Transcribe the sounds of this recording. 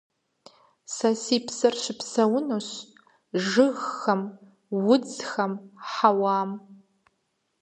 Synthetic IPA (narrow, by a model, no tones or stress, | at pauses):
sasiːpʰsɐrʃʷɪpʰsɐwʊnoɕ | ʒɨɣːɐm | wʊd͡zxɐmħawaːm